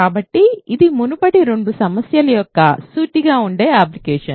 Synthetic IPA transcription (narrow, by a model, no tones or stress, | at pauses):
kaːbɐʈːiid̪imunupɐɽiɾeɳɖusɐmɐsjɐlɐjɔkːɐ̰suːʈiɡaːuɳɖe̞ːaːplikeːʂɐn